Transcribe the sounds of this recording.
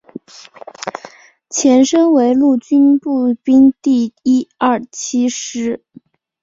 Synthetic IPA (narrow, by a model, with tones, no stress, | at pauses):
t͡ɕʰjɛ˧˥nʂɤ˥ŋwe˧˥ɪlu˥˩t͡ɕy˥npu˥˩pi˥ŋt̪i˥˩i˥ɐ˥˩t͡ɕʰi˥ʂɻ̩˧˥